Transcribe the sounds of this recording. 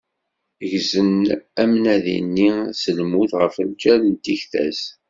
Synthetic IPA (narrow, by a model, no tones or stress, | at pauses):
ʝzənæmnæðḭnːisəlmuθʁəfəlt͡ʃːæɾənt̪içθæ̰z